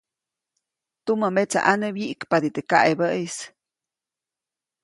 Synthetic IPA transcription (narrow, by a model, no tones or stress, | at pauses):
t̪uməmet͡sa̰ʔanəwjiʔkpad̪it̪ekaʔebəʔis